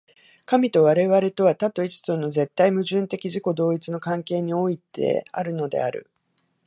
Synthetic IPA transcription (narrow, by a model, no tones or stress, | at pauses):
kamʲit̪o̞β̞aɾe̞βaɾe̞t̪o̞βat̪at̪ːo̞it͡sɨ̥t̪ono̞ze̞t̪ːaimɯ̟ʑɨ̃nt̪e̞kʲiʑiko̞d̪o̞ːit͡sɨno̞kãŋke̞ːɲ̟io̞it̪e̞̰a̰ɾɯ̟no̞d̪e̞̰aɾɯ̟̰